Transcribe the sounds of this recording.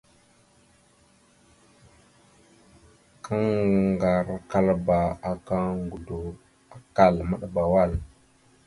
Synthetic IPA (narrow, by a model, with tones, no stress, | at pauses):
kʰa˦ŋɡa˨ɾka˦lba˨a˨ka˦ŋɡu˨do˨ | a˨ka˦˨lma˦ɗa˦ba˨wa˦˨l